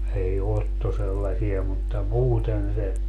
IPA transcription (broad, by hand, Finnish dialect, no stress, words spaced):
ei otːo selːɑsiɑ mutːɑ muːten se